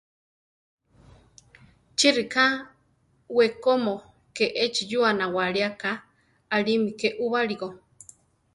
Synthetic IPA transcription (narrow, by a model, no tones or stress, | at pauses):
t͡ʃirikʰa | wekomo | keʔet͡ʃijuanawaɺiakaː | ɺimikeʔuβaɺiɣo